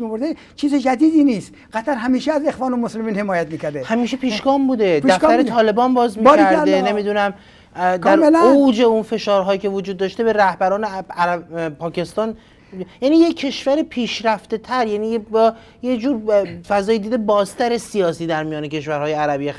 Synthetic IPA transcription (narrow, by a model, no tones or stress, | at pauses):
boɾd̪e | t͡ʃʰiːzed͡ʒæd̪iːd̪iːniːst̪ɢæt̪ʰæɾɦæmiːʃeæzexvɒːnomoslemiːnhe̞mɒːjæt̪̚miːcʰæɾd̪ehæmiːʃepʰiːʃɡɒːmbuːd̪e̞dp̪æfæɾet̪ʰɒːle̞bɒːnbɒːzmiɾæɾd̪ene̞miːd̪unæm | dk̪æɾlowd͡ʒeunfe̞ʃɒːɾɦɒːjicʰe̞vod͡ʒuːd̪ːɒːʃt̪e̞be̞ɾæhbæɾɒːneæɾæpʰɒːce̞st̪ɒːn | jæniːjeːe̞ʃvæɾepʰiːʃɾæft̪e̞t̪ʰæɾjænijebɒ | jed͡ʒuːɾfæzɒːjed̪iːd̪e̞bɒːzt̪ʰæɾesijɒːsiːd̪æɾmijɒːnecʰe̞ʃvæɾhɒːjeæɾæbije